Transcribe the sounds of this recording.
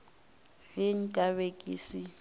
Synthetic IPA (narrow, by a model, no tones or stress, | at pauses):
rɪŋ̩kʼaβekʼḭsi